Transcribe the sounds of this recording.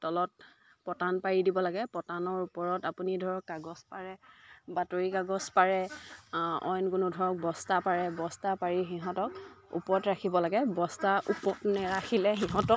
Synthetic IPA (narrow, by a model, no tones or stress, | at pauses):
tɔlɔt̚ | pɔtanpaɹidibɔlaɡɛpɔtanɔɹupɔɹɔtapunidʱɔɹɔkːaɡɔspaɹɛbatoɹikaɡɔspaɹɛ | ɔ̰jnkʊnʊdʱɔɹɔk̚bɔstapaɹɛbɔstapaɹiɦiɦɔ̃tɔk̚ṵpɔtɹakʰibɔlaɡɛbɔstaʔṵpɔtnɛɹakʰilɛxiɦɔtɔk̚